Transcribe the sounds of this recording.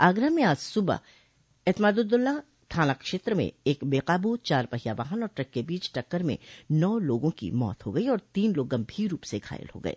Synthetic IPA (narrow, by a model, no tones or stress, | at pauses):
aːɡɾəmẽaːd͡ʒsʊba̰ | eːt̪maːd̪ʊd̪ʊlːa | t̪ʰaːnakʃeːt̪ɾəmḛ̃eːkbeːqaːbut͡ʃaːɾpɐɦijaʋaːɦənɔːɾʈɾɐkːebiːt͡ʃʈɐkːəɾmḛ̃nɔːloːɡõkḭmɔ̰ːt̪ɦoɡɐiɔːɾt̪iːnloːɡːɐ̃mbʱiːɾːuːpseɡʱa̰ːjə̰lɦo̰ːɡɐ̰ḛː